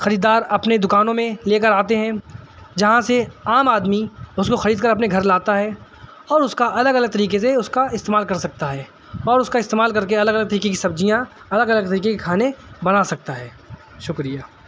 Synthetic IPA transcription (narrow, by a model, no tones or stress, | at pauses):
xɐɾiːd̪aːɾɐpned̪ʊkaːnõmẽleːk̬əɾaːt̪eɦɛ̃ | d͡ʒɐɦãseaːmaːd̪miʊskoxɐɾiːd̪̚kɐɾɐpneɡʱɐɾlaːt̪aɦɛː | ɔːɾʊskaʔɐləɡɐləɡ̚t̪ɐɾiːkes̬eʊskaɪst̪eːmaːlkɐɾsɐk̚t̪aɦɛː | ɔːɾʊskaɪst̪eːmaːlkɐɾkeɐləɡɐələɡ̚t̪ɐɾiːkekisɐb̚d͡ʒijã | ɐləɡɐləɡ̚t̪ɐɾiːkekekʰaːnebɐnasɐk̚t̪aɦɛː | ʃʊkɾijaː